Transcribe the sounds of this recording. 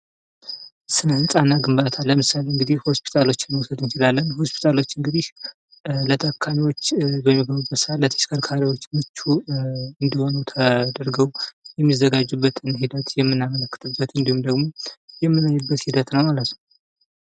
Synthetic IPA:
sɨnənt͡sʼanːaɡɨmbat̪ʰalːəmɨsaleɨŋɡɨd̪ihho̞spʰi̥t̪ʰalo̞t͡ʃːɪnːwusəd̪ɨnt͡ʃɪlalːənho̞spʰi̥t̪ʰalo̞t͡ʃːɨŋɡɨd̪ih | lət̪ʰəkʰːamiwo̞t͡ʃːbəmːiɡəβubːət̪sɨhat̪lət̪ʰə̥ʃkʰəɾkʰaɾiwo̞t͡ʃːmɨt͡ʃːuɨnd̪iho̞nut̪ʰad̪əɾɡəwjɛmːizːəɡad͡ʒːubːət̪ʰɨnhid̪ət̪jɛmːɨnːamələkːɨ̥t̪ʰɨbːət̪ɨnd̪ihumd̪əɡmo̞jɛmːɨmːəɲːubːət̪hid̪ət̪nəwmalət̪nə

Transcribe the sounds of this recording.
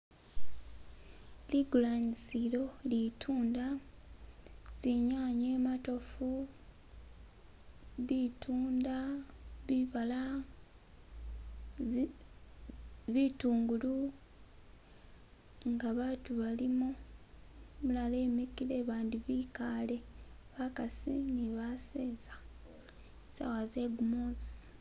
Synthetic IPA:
liɡulanisiɾo̞litʰuːnda | z̥iɲaːɲe̞ːmato̞fu | βitʰuːndaβiβala | βituːŋɡulu | ŋɡaβaːtuβalimu | mulale̞ːmikile̞βaːndiβikale̞βakasiniβaseːza | sa̰waze̞ɡumozi̥

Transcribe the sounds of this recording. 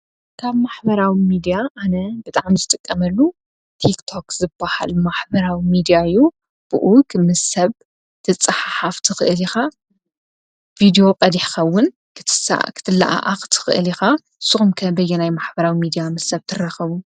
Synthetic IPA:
kʰaβmaħbɐɾawimid̪ijaanɐbɨt̪ʼaʕmizɨt̪ʼɨkʼːɐmɐlːu | t̪ʰikt̪ʰo̞kzɨbːaha̰lmaħbɐɾawimid̪ijaɨjːu | b̥ɨʔukmɨsɐβ | t̪ʰɨt͡sʼɨħaħaft̪ʰɨxɨʔɨlixa | vid̪ijo̞qʼɐd̪iħkɐwːʊn | kʰɨt̪ʰɨsa̰kʰɨ̥t̪ʰɨlːa̰ʔa̰ʔaxt̪ʰɨ̥xɨʔɨlixa | sɨxumkʰɐbɐjːɛnajmaħbɐɾawimid̪ijamɐsɐβt̪ʰɨraxɐβu

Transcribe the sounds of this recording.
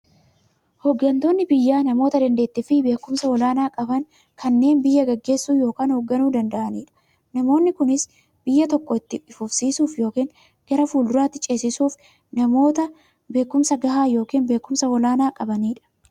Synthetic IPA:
hɔɡːɐnt̪o̞ːnːɪbɪjːaːnɐmo̞ːt̪ɐd̪ɐnd̪e̞ːt̪ːɪfɪbe̞ːkːʊmsɐwɔlaːnaːkʼɐbɐŋ | kʰɐnːe̞ːnbɪjːɐɡɐɡːe̞ːsːuːjo̞ːkaːnhɔɡːɐnuːd̪ɐnd̪ɐʔɐniːᶑɐ̥ | nɐmo̞ːnːɪkʊnɪs | b̥ɪjːɐt̪ɔkːɔɪt̪ːɪᶑɪfʊfsiːsuːfjo̞ːkiːn | ɡ̥ɐɾɐfuːld̪ʊɾaːt̪ːɪt͡ʃʼe̞ːsɪsuːf | nɐmo̞ːt̪ɐ | be̞ːkːʊmsɐɡɐɦaːjo̞ːkiːnbe̞ːkːʊmsɐwɔlaːnaːkʼɐbɐniːᶑɐ̥

